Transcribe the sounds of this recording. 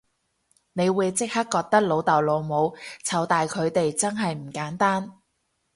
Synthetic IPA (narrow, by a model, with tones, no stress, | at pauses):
ne˨˧jwuː˨˧jt͡sɪ˥k̚hɐ˥kːɔː˧k̚t̪ɐ˥k̚lo˨˧wt̪ɐ˨wloː˨˧wmo˨˧wt͡sʰɐ˨˧wt̪aː˨jkʰɵ˨˧ɥt̪e˨jt͡sɐ˥nɦɐ˨jm̩˨˩kaː˨˥nt̪aː˥n